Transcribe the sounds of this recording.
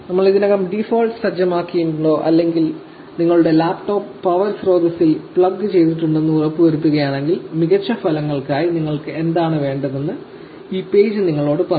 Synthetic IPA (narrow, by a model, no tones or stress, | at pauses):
nɐmːɐɭiðinɐɣɐmɖifoːlɖsɐd͡ʑɐmaːkːijumɭo̞ːʔɐlːe̞ŋɡil | niŋːɐɭuɽe̞laːpʈo̞ːpːɐʋɐrsro̞ːd̪ɐsilpɭɐɡːɨt͡ɕe̞jt̪iʈːuɳɖe̞nːɨurɐpːɨʋɐɾut̪ːuɣɐjaːɳe̞ŋɡilmiɣɐt͡ɕːɐfɐlɐŋːɐɭkaːjiniŋːɐɭkɨe̞nd̪aːɳɨʋe̞ːɳɖɐðenːɨ | iːpe̞ːd͡ʑɨniŋːɐɭo̞ːɽɨpɐrɐ